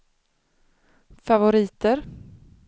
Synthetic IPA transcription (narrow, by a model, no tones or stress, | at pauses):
favʊɾiːt̪əɾ